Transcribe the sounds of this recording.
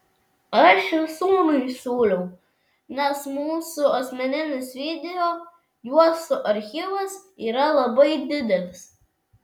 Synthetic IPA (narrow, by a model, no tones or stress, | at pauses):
ɐʃɪsumɐɪsʲuːlʲɛʊ | nʲɛsmuːsʊɐsʲmʲɛnʲɪnʲɪsʋʲid̪ʲɛjo | juɔsʊʔɐɾʲxʲiʋɐsiːɾɐlˠɐbɐɪd̪ʲɪd̪ʲɛlʲɪs